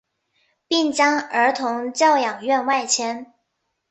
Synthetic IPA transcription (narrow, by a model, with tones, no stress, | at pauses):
pi˥˩ŋt͡ɕjɑ˥ŋə˞˧˥t̪ʰʊ˧˥ŋt͡ɕjɑ˥˩ʊjɑ˨˩ŋɥɛ˥˧nwa˥˩ɪt͡ɕʰjɛ˥n